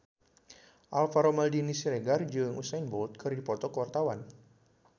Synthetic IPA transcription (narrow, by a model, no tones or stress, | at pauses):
ʔalfaɾomaldinisiɾeɡard͡ʒɨŋusajnbɔlt̪̚kʰɨrdipɔt̪ɔkəwart̪awan